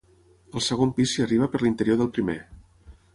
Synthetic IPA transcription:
əlˠsəɣompisiəriβ̞əpəɾlint̪əɾijoðəlˠpɾimḛ

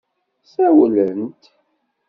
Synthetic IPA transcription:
sæwlənt̪

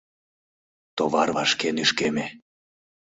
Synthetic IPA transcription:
t̪oβɑrβɑʃkenyʃkeme

